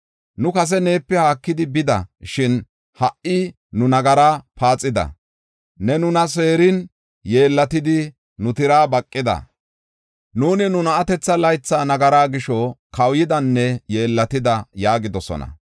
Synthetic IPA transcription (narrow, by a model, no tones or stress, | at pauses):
nʊkɐs̬ɛneːpːɛhaːkːɪd̪ɪbɪd̪ɐ̰ʃɪn | hɐʔɪ | nʊnɐɡɐɾaːpaːt͡sʼːɪd̪ɐ̰ | nɛnʊnɐs̬e̞ːɾɪn | je̞ːlːɐt̪ɪd̪ɪ | nʊt̪ɪɾaːbɐkʼːɪd̪ɐ̰ | nuːnɪnʊnɐɐt̪ɛt͡sːɐlɐjt͡sːaːnɐɡɐɾaːɡɪʃɔkɐwjɪd̪ɐnːɛje̞ːlːɐt̪ɪd̪ɐjaːɡɪd̪ɔsɔ̰nɐ̰